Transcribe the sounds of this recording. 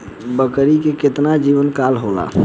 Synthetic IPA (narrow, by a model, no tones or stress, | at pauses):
bəkɾikeket̪nad͡ʒibənkalɦola̰